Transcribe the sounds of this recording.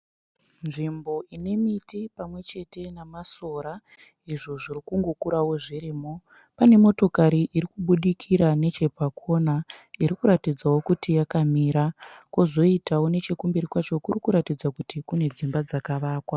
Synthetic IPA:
nʐimbo̞ine̞mitipamwe̞t͡ʃe̞te̞namaso̞ːɾa | iʐo̞ʐirikuŋɡokuɾawo̞ʐiriːmo | pane̞mo̞to̞kaɾiʔiɾikuɓuɗikʰiɾane̞t͡ʃe̞pakʰo̞naiɾikuɾatid͡zawo̞kutijakamiːɾakozo̞itawo̞ne̞t͡ʃekumbiɾikwat͡ʃo̞kurikuɾatid͡zakutikune̞d͡zimbad͡zakaʋaːkwa

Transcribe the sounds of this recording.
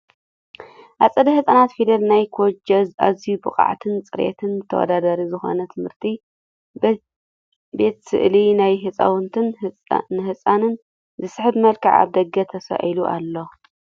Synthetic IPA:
ʔasʼɐd̪ɐhɨsʼanat̪fid̪ɐlnajkʰod͡ʒɐza̰zijubɨχʼa̰ʕt̪ʰɨnt͡sʼɨɾʔḛt̪ʰɨnt̪ʰɐwɔ̰d̪ad̪aɾizɨxo̞̰nɐt̪ʰɨmhɨɾt̪ʰi | be̞t̪sɨ̰ʔlinajɦɨt͡sʼɐ̰wʊnt̪ʰɨn | nhɨsʼanɨn | zɨsɨħɨbmɐlkɨʕa̰βd̪ɐɡɐt̪ʰɐsa̰ʔiluʔa̰lːo̞

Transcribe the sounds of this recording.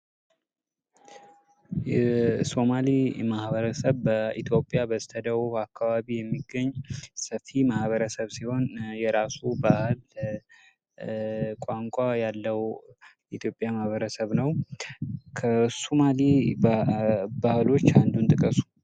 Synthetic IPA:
jɛso̞malimahβəɾəsəβbəit̪ʰjo̞pʼjabəst̪ʰəd̪əwuakʰːaβaβijɛmːiɡəɲːsəfimahβəɾəsəβsiho̞njɛɾasubahl | kʼaŋkʷʼajalːəw | it̪ʰjo̞pʼjamahβəɾəsəβnəw | kʰəsomali | bahlo̞t͡ʃːand̪unt̪ʼɨkʼəsu̥

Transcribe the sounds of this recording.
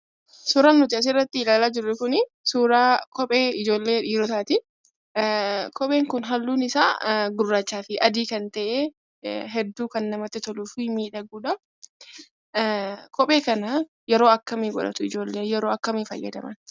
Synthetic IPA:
suːɾaːnːʊt̪ɪɐs̬ɪɪrːɐt̪ːɪɪlaːlaːd͡ʒɪrːɛkʊnɪ | suːɾaːkɔpʼeːɪd͡ʒo̞ːlːe̞ːᶑiːɾɔt̪̬aːt̪ɪ | kɔpʼe̞ːŋkʊnɦɐlːuːnɪsa̰ːɡʊrːaːt͡ʃːaːfɪʔɐd̪iːkɐnt̪ɐʔeː | ɦɛd̪ːuːkɐnːɐmɐt̪ːɪt̪ɔluːfiːmiːᶑɐɡuːᶑɐ | kɔpʼeːkɐnɐ | jɛɾo̞ːɐkːɐmeːɡɔᶑɐ̰t̪ʊɪd͡ʒo̞ːlːeːjɛɾo̞ːɐkːɐmeːfɐ̰jːɐ̰d̪ɐ̰mɐ̰n

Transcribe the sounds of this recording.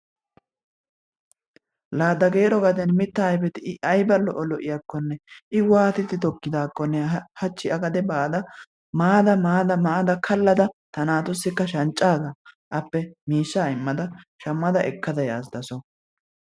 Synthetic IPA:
laːd̪ɐɡe̞ːɾɔɡɐd̪ɛnmɪt̪ːɐːjbɛt̪ɪɐjbɐlːɔʔɔlɔʔɪjɐkːɔnːɛʔɪwaːt̪ɪt̪ːɪt̪ɔkːɪd̪aːkːɔnːɛhɐt͡ʃːɪɐɡɐd̪ɛbaːd̪ɐ | maːd̪ɐmaːd̪ɐmaːd̪ɐkʰɐlːɐd̪ɐt̪ɐnaːt̪ʊsːɪkːɐʃɐnt͡ʃʼːaːzɐ | ʔɐpːɛmiːʃːaːɪmːɐd̪ɐʃɐmːɐd̪ɐʔɛkːɐd̪ɐjaːsd̪ɐsɔ

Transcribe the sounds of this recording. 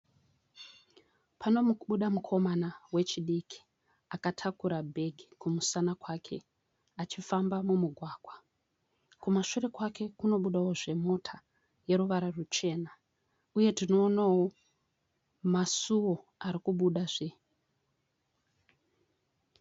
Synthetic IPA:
pʰano̞muɓuɗamukʰo̞manawe̞t͡ʃiɗiki̥ | akatʰakuɾabʱe̞ɡʱikumusanakwaːkʰe̞ | at͡ʃifambamumuɡʱwaːɡʱwa | kumaʃure̞kwake̞kuno̞ɓuɗawo̞ʐe̞mo̞tʰa | je̞ɾuʋaɾarut͡ʃe̞ːna | uje̞tino̞ːnawo̞ | masuwo̞ | aɾikuɓuɗaʐe

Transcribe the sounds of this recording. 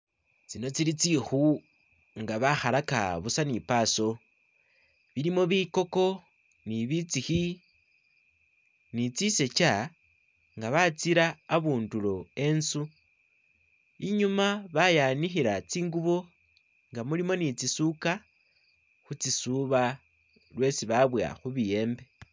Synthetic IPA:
t͡sino̞t͡silit͡sixu | ŋɡaβaxalaka̰βusanipaːso̞ | βilimo̞βiko̞ko̞ | niβit͡sixi | nit͡sise̞t͡ʃa | ŋɡaβat͡siɾaːβuːndulo̞e̞nsu | iɲumaβajanixiɾat͡siːŋɡuβo | ŋɡamulimo̞nit͡sisuka | xut͡sisuβa | lwe̞siβaβwa̰xuβije̞ːmbe̞

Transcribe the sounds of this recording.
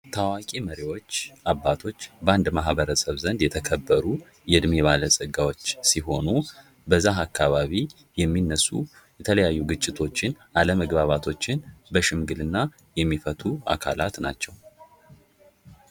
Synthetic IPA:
t̪ʰawakʼiməɾiwo̞t͡ʃːabːat̪ʰo̞t͡ʃːbəand̪maɦbəɾəsəβzənd̪jɛt̪ʰəkʰəbːəɾu | jɛd̪meβaləsʼɨɡawo̞t͡ʃːsiɦo̞nu | bəzːaɦakʰːaβaβi | jɛmːinːəsːṵ | jɛt̪ʰələjajːuɡɨt͡ʃʼːɪt̪ʰo̞t͡ʃːɪn | aləməɡbaβat̪ʰo̞t͡ʃːɪnbəʃɪmɡɨlɨnːa | jɛmːifət̪ʰua̰kʰalat̪na̰t͡ʃːɛw

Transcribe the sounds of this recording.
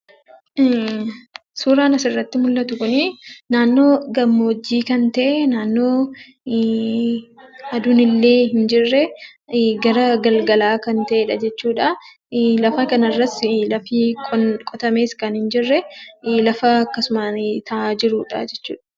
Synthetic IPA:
ʔ | suːɾaːnɐsɪrːɐt̪ːɪmʊlːɐt̪ʊkʊnɪnaːnːo̞ːɡɐmːoːd͡ʒːiːkɐnt̪ɐʔenaːnːo̞ː | ɐd̪ʊnɪlːe̞ːhɪnd͡ʒɪrːɛ | ɡɐɾɐɡɐlɡɐlaːkɐnt̪ɐʔeːᶑɐd͡ʒɛt͡ʃːuːᶑɐ | lɐfɐkɐnɐrːɐslɐfiːkʼkʼɔt̪ɐmeːskɐnhɪnd͡ʒɪrːɛlɐfɐːkːɐsʊmat̪ʰɐad͡ʒɪɾuːᶑɐ̰d͡ʒɛt͡ʃːṵːᶑɐ̥

